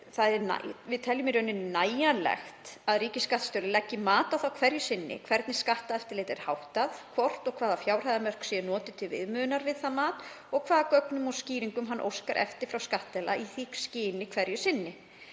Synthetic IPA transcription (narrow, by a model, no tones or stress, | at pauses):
θaðɛna̰vɪðt̪ʰɛljʏmɪɾœnːɪnaːjanlɛ̰xt̪aðriːcɪsːkaht̪st̪œwɾlɪlɛcːɪmaːt̪awθawkʰv̥ɛɾjʏsɪnːɪ̰kʰvɛɾt̪nɪ̥skaht̪aðɛft̪ɪɾlɪːt̪ɛɾ̥hawht̪aðkʰvɔr̥t̪ɔɣkʰv̥aːðafjaːwr̥hajðamœr̥ksɛnɔːt̪ɪt̪ʰɪlvɪ̰ðmʏːnaɾvɪðθaðmaːt̪ɔɣkʰv̥aːðakœknʏmɔsciːɾiŋkʏmɦanːʔo̰wskaɾʔɛ̰ft̪ɪɾ̥fɾawskaht̪ɛla̰iθikscɪːnɪkʰvɛɾjʏsɪnːɪ